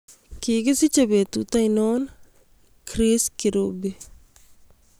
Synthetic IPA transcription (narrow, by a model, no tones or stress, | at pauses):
kiːɡɐsit͡ʃɐbeːt̪ut̪ɐjnoːn | kʰɾeːskiɾoːbi